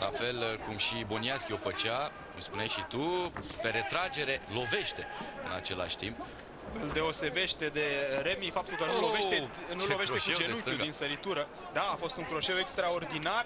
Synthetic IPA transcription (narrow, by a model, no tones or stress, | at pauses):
lʔa̰fe̞lkumʃibo̞niaskʲiofət͡ʃa | kumspunejʃit̪upe̞ɾe̞t̪ɾad͡ʒe̞ɾe̞lo̞ve̞ʃt̪e̞ɨ̰na̰t͡ʃe̞la̰ʃʲt̪ḭmp̚ | ɨld̪e̞o̞se̞be̞ʃt̪e̞d̪e̞ɾemifap̚t̪ulkənuuloveʃtt̪enulove̞ʃt̪eʃkud͡ʒent͡ʃuinsəɾit̪uɾə | d̪aːfo̞st̪uŋkɾo̞ʃe̞we̞kst̪ɾao̞rd̪inar